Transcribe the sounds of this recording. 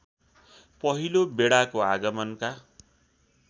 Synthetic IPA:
pʌɦilobeɽakoaɡʌmʌnka

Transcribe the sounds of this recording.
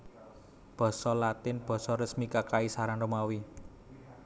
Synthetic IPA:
b̥ɔ̤sɔlat̪ɪnb̥ɔ̤sɔɾəsmikakaisaɾanrəmawi

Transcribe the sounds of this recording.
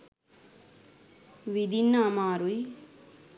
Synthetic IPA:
ʋid̪inːaːmaːɾuj

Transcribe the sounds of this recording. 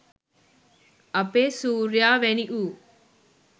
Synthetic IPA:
ɐpeːsuːɾjaːʋeniʔuː

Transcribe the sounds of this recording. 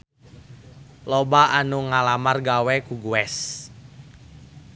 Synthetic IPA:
lobaʔanuŋalamarɡawɛkuɡuɛs

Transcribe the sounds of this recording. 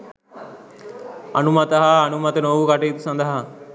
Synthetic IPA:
ɐnumɐt̪əɦaːnumɐt̪ənoʋukaʈeːt̪usɐnd̪əɦa

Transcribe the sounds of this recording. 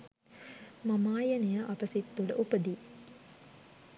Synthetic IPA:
mɐmaːjɐnɐjɐʔɐbɐsit̪ːulʔupɐd̪i

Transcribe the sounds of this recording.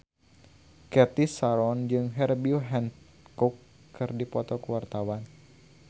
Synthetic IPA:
kɛt̪isaɾɔnd͡ʒɨŋɦɛrbioɦɛn | kukː | ɨrdipɔt̪ɔkəwart̪awan

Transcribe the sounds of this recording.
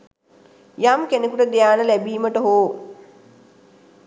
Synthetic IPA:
jamkenekuʈəd̪ejaːnəlæbiːməʈəɦoː

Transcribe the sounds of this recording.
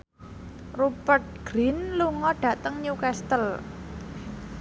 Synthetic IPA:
rupərt̪̚ɡ̥ɾinluŋɔɖ̥ä̤t̪əŋɲukɛst̪əl

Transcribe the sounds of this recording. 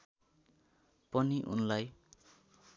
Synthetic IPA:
pʌniʔṵnlaj

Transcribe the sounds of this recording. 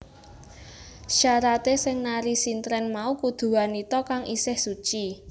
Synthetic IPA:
ʃaɾat̪esɪŋnaɾisint̪ɾɛnmaukud̪̥ṳanit̪ɔkaŋisɪhsut͡ʃi

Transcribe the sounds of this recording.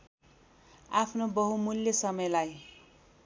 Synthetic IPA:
apʰnobʌɦumulːjʌsʌmʌjlaj

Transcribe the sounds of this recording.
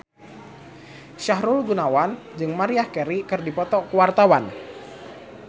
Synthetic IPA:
ʃaɦɾulɡunawan | d͡ʒɨŋmaɾiahkɛɾikɨrdipɔt̪ɔkuwart̪awan

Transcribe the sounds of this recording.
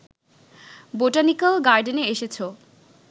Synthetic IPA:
boʈanikalɡaɾɖeneeʃet͡ɕʰo

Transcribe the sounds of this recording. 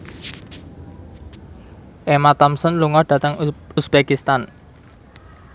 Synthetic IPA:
ʔemat̪ɔmsənluŋɔɖ̥ä̤t̪əŋusbekist̪an

